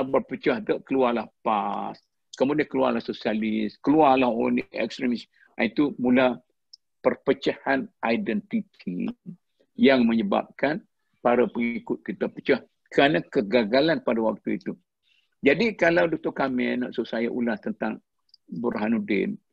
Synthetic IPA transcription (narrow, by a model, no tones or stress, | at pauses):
bərpət͡ʃahd̪əʔkəluarlahpas | kəmudiankəlua̰rlahsosialiskəluarlaho̰niɛ̰kst̪ɾimis | a̰it̪umula | pərpət͡ʃahanʔajdɛnt̪it̪ʰḭ | jaŋmə̃ɲəba̰p̚kan | paɾapəŋikʊt̪̚kit̪apət͡ʃah | kəɾanãkəɡaɡalanpadawak̚t̪uḭt̪u | d͡ʒadikalawdɔk̚t̪ɔkamɛnːa̰ʔsusajaʔṵlast̪ənt̪aŋ | bəɾɦanudɪ̰n